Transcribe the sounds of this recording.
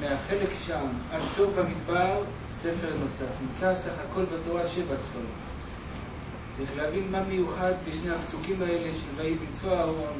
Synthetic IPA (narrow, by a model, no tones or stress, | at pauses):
meaχe̞lekʃamalsobamit̪baʁ | se̞fe̞ʁno̞safnimt͡sasaχako̞lbato̞ʁaʃevasfali | t͡saʁiχleɦavinmamejuχad̪beʃnehapsukimae̞leʃelvaibimt͡soaoʁon